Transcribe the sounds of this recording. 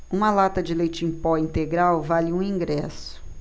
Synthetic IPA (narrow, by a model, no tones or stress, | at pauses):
ũmɐlat̪ɐd͡ʒɪlejt͡ʃĩpɔĩnt̪eɡɾawvalɪũĩŋɡɾɛsʊ̥